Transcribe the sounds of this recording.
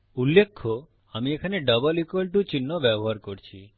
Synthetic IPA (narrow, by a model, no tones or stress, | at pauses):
ulːekʰːo | amiekʰaneɖʌbɔlikwelʈut͡ʃinːobɛboɦaɾkoɾt͡ʃʰi